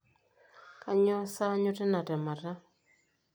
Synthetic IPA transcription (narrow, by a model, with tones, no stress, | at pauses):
ka˦ɲɔ˦sa˦ɲʊ˦tɛ˦na˨tɛ˨ma˨ɾa˦